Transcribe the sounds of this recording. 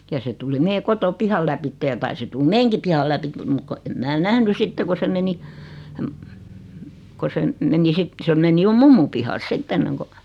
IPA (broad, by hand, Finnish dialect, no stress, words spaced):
jɑ se tuli meː kotopihɑl læpitːej̆ jɑ tɑisi tul meːŋki pihɑl læpit mut ko em mæː næhny sitːe ko se meni ko se m meni sit se meni jo mumːum pihɑls sitː enːeŋko